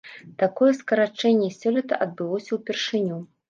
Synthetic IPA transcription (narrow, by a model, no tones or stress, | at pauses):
t̪akɔjɛskɐɾat͡ʂɛnʲːɛsʲɔlʲit̪ɐ̰ʔɐd̪̚bɨlˠɔsʲɐwpʲɛrʂɨnʲu